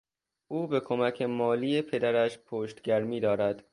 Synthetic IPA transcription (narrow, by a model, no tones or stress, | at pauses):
ʔuːbe̞kʰomæcʰemɒːliːjepʰe̞d̪æɾæʃpʰoːʃt̪ɡæɾmiːd̪ɒːɾæd̪